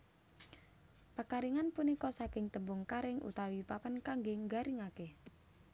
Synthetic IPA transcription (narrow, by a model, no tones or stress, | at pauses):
pakaɾiŋanpunikɔsakɪŋt̪əmbʊŋkaɾɪŋʔṵt̪awipapankaŋɡeŋɡaɾiŋake